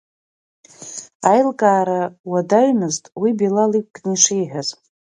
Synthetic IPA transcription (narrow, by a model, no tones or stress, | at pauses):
ajlkʼaːɾawadaɥmɨztʼwibilalik̚ʷʼkʼniʂejħʷᶣaz